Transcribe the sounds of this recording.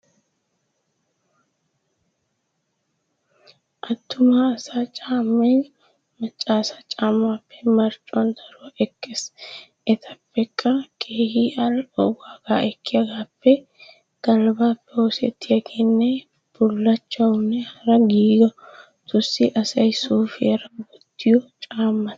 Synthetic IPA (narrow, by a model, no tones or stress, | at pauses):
ʔɐt̪ːʊmaːsaːt͡ʃʼaːmːe | mɐt͡ʃʼːaːsaːt͡ʃʼaːmːaːpːɛ̥mɐɾt͡ʃʼʊɐnt̪ʰɐɾʊɛkːeːs | ʔɛt̪ʰɐpːɛkʼːɐkʰʼeːhiːʔɐlɔwaːɡaːʔɛkːɪjɐɡaːpːɛ | ɡ̥ɐlbaːpːɛhɔsɛ̰t̪ːɪjɐɡeːnːɛ | bʊlːɐt͡ʃːɐwʊnːɛhɐɾɐɡiːɡɐ | t̪ʊsɪʔɐsɐjsuːfɪɐɾɐbɔt̪ːɪjɔt͡ʃʼaːmːɐ